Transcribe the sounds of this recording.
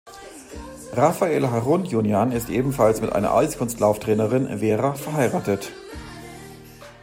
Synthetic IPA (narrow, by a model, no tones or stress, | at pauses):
ʁafaeːlɦaʁʊnjunjanɪstʔeːbm̩falsmɪtʔa̰ɪnɐ̰ʔa̰lskʰʊnstlaʊftʁ̥ɛːnəʁɪnveːʁafɛɐɦaɪʁaːtət